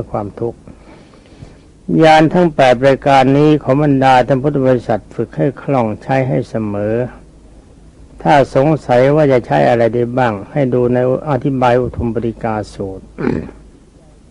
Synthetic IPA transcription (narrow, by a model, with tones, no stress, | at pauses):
ɯ˥˩kʰwaː˧mt̪ʰu˦˥k̚ | jaː˧nt̪ʰa˦˥˩ŋpɛː˨˩t̪̚ɾaː˧kaː˧nːiː˦˥kʰɔː˩˦ŋba˧ndaː˧t̪ʰa˥˩ŋpʰu˦˥t̪̚ːʰa˧bɔː˧ɾi˦˥sa˨˩t̪̚fɯ˨˩k̚ha˥˩jkʰlɔ˥˩ŋt͡ɕʰa˦˥jɦa˥˩jsa˧mɤː˩˦ | t̪ʰaː˥˩so˩˦ŋsa˩˦jwaː˥˩t͡ɕa˨˩t͡ɕʰa˦˥jʔa˧ɾa˧jda˥˩jbaː˥˩ŋha˥˩jduː˧na˧jʔa˧t̪ʰi˦˥baː˧jʔu˨˧˩t̪ʰo˧mbɔː˧ɾi˦˥kaː˧suː˨˩t̪̚